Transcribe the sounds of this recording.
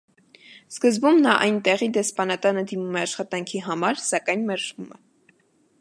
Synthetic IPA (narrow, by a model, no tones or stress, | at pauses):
skəzbumnɑʔɑjnt̪ɛʁid̪ɛspɑnɑt̪ɑnəd̪imumɛɑʃχɑt̪ɑŋkʰiɦɑmɑɾsɑkɑjnmɛɾʒvumɛ